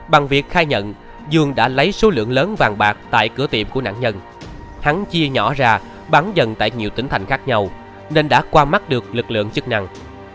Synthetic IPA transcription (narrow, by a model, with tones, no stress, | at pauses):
ɓa˨˩ŋvi˨˩ək̚xaː˧jɲə̰˧˨n | zɨ˧˩əŋɗa̰ː˧˥lə˨˦jso˨˦lɨ̰˧˨əŋləː˨˦nvaː˨˩ŋɓaː˨˩k̚t̪a̰ː˧˨jkɨ˧˩ət̪ḭ˧˨əmku˧˩əna̰ː˧˥˨ŋɲə˧n | ha˨˦ŋt͡ɕi˧əɲɔ̰˧˩˥zaː˧˩ | ɓaː˨˦ŋzə˨˩nt̪a̰ː˧˨jɲi˨˩əwt̪ï˨˦ŋt̪a˨˩jŋ̟xaː˦˥k̚ɲa˧w | ne˧nɗa̰ː˧˥kwaː˧ma˦˥t̚ɗɨ˨˩ək̚lɨ˨˩k̚lɨ̰˧˨əŋt͡ɕɨ˦˥k̚na˧ŋ